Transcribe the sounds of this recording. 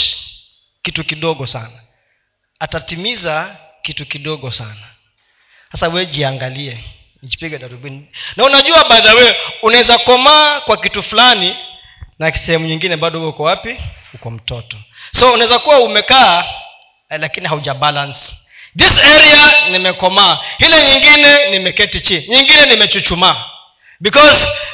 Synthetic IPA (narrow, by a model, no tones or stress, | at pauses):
kitukiɗɔɠɔsanaː | tatimizakitukiɗɔɠɔsa̰na | hasawɛʄiaŋɡaliɛ | nid͡ʒi̥piɡɛɗaɾuɓininaunaʄuaɓaðawɛunaɛzakɔmaːkwakitufulani | nasɛhɛmuɲiŋɡinɛɓaɗɔwɛhukɔwapihukɔm̩tɔtɔ | sɔunaɛzakuwaumɛkaː | lakinihauʄabalans | ðisɛɾianimɛkɔmaːhilɛɲiŋɡinɛnimɛkɛtit͡ʃiɲiŋɡinɛnimɛt͡ʃut͡ʃuma | bikɔz